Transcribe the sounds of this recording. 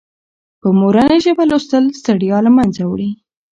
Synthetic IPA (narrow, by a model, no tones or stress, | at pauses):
pəmoɾənaʒəbalost̪əlst̪aɽijɑlamanzawɽi